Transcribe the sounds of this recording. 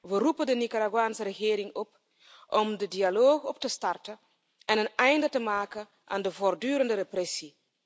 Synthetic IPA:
ʋərupəndənikaɾaɡwaːnsərəɣɪːɾɪŋɔp | ʔɔmdədialoːxɔptəstɑrtə | ɛnənɛjndətəmaːkən | ʔaːndəvordyːɾəndəɾeprɛsi

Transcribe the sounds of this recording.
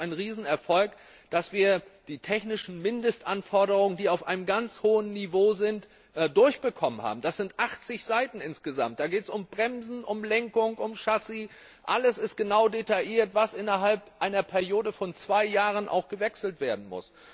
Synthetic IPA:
aɪnənʁiːzn̩ɛɐfɔlk | d̥asv̥iːɐd̥iːtʰɛçnɪʃn̩mɪndəstʔanfɔɐɾəʁʊŋəndiːaʊfʔaɪnəmɡant͡shoːənːivoːzɪntː | dʊɐçb̥əkʰɔmənha̰ːbm̩d̥asz̥ɪntʔaχt͡sɪçz̥aɪtn̩ɪnsɡ̥əza̰mt̚d̥aːɡeːtə̥sʊmbʁɛmzn̩ʔʊmlɛŋkʊŋʔʊmʃasi | ʔaləsɪst̚ɡ̥ənaʊdetaʔiːɐtv̥asʔɪnɐɦalpʔaɪnɐpʰɛɐjoːdəfɔnt͡sv̥aɪjaːʁənʔa̰ʊxɡ̥əvɛksl̩tv̥eːɐdn̩mʊ̰s

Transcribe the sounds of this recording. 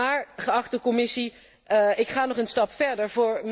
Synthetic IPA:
aːɹχəɑχtəkɔmɪsi | ɪkχaːnɔχənstɑpfɛɹdəɹvʊːɹm

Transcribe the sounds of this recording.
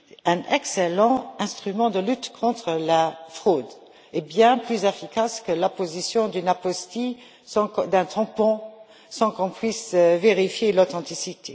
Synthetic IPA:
ɛ̃nʔɛkselɑ̃ɛ̃st̪χymɑ̃d̪əlyt̪kʰɔ̃t̪χəlafχoːd̪ | ɛbjɛ̃plyzefikaskəlapozisjɔ̃d̪ynapɔst̪i | sɑ̃kd̪ɛ̃t̪ɑ̃pɔ̃ | sɑ̃kɔ̃pɥisveʁifjelot̪ɑ̃t̪isit̪ʰe

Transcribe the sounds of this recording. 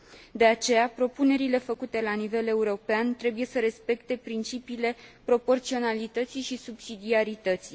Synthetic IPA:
d̪e̞at͡ʃe̞japɾo̞pune̞ɾile̞fəkut̪e̞lanivele̞uɾo̞peant̪ɾe̞buje̞səɾe̞spe̞kt̪e̞pɾint͡ʃipiːle̞pɾo̞po̞rt̪sio̞nalit̪ət̪siʃisubsid̪iaɾit̪ət̪si

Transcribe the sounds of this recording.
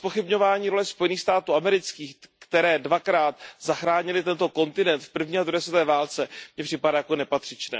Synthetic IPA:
spo̞xɪbɲo̞vaːɲiːɾo̞lɛspo̞jɛniːxst̪aːt̪uːamɛɾɪt͡skiːxkt̪ɛɾɛːdvakɾaːt̪zaxɾaːɲɪlɪt̪ɛnt̪o̞ko̞nt̪ɪnɛnt̪fpr̩vɲiːad̪ɾudɛst̪ɛːvaːlt͡sɛmɲɛpr̝̥ɪpadaːjako̞nɛpat̪r̥ɪt͡ʃnɛ̰ː

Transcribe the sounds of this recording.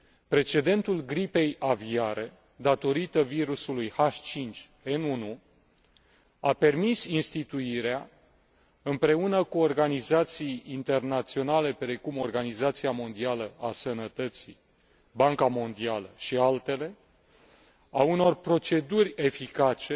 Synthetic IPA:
pɾe̞t͡ʃe̞d̪e̞nt̪ulɡɾipe̞javiaɾe̞ | d̪at̪o̞ɾit̪əviɾusulujhaʃt͡ʃint͡ʃ | enunu | ape̞rmisinst̪it̪uiɾea | ɨmpɾe̞unəkuo̞rɡanizat̪sijint̪e̞rnat̪sio̞nale̞pɾe̞kumo̞rɡanizat̪siamo̞nd̪ialəasənət̪ət̪si | baŋkamo̞nd̪ialəʃialt̪e̞le̞ | auno̞rpɾo̞t͡ʃe̞d̪urʲe̞fikat͡ʃe̞

